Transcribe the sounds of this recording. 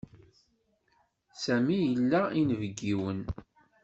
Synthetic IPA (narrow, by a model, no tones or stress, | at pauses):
sæmijəlːæinvəɡːiwən